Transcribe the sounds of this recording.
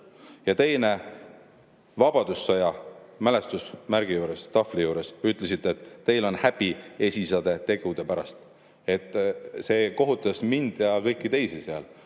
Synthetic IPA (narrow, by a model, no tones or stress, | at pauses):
jɑt̪e̞jne̞ | vɑb̥ɑd̪̥usːɑjɑmæle̞st̪usmæɾɡ̥ijuːɾe̞st̪ɑflijuːɾe̞syt̪ːˑlesit̪ːˑet̪ˑːe̞jlo̞nhæb̥ie̞sʲisɑd̪̥e̞t̪e̞ɡ̥ud̪̥e̞pæɾɑ̰st̪ | e̞t̪ːˑse̞ːko̞ɦut̪ːˑɑsmind̪̥jɑkɤjkːˑit̪e̞jsiseɑl